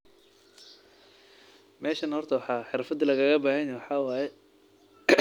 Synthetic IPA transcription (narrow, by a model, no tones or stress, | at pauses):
mɛːʃɐnhɔrt̪ʰɐwɑħɑːħɪɾfɐd̪lɐɣɐɣɐbaːhɐnawħɑːwaːjɛ